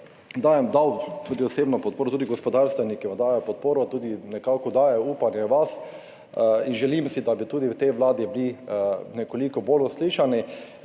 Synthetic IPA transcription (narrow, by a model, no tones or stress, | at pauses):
d̪aːjɛmd̪awt̪ud̪iɔseːbnɔpɔt̪̚poːɾɔt̪uːd̪iɡɔspɔd̪aɾst̪ʋɛnikiad̪aːjɛpɔt̪̚poːɾɔt̪uːd̪inɛkaːkɔd̪aːjɛuːpanjɛʋas | inʒɛlimsid̪abit̪uːd̪iwt̪ɛjʋlaːd̪iblinɛkolikɔbolʊsliːʃani